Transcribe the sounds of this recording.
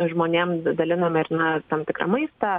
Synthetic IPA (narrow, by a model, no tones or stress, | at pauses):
ʒmoːnʲeːmd̪ɐlʲɪnɐmɐɪɾnɐt̪ɐmt̪ʲɪkɾɐ̰mɐɪst̪ɐ